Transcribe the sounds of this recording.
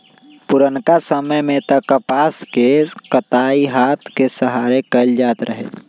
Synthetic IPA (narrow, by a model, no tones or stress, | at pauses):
puɾənkasəməjmet̪ɔkəpaskekət̪aiɦat̪ʰkesəɦaɾekəɪld͡ʒaːt̪ɾəɦɛ̰